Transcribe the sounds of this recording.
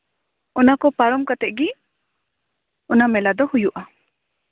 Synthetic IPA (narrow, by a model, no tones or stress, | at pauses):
ɔnakɔpaɾɔmkat̪ɛʔɡi | ɔnamɛlad̪ɔhujuʔa